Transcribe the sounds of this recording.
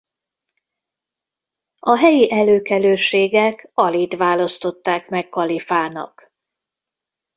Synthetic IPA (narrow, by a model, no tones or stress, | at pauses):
ɒɦɛjiʔɛløːkɛløːʃeːɡɛkɒliːt̪ʋaːlɒst̪o̞t̪ːaːkmɛkːɒlifaːnɒ̰k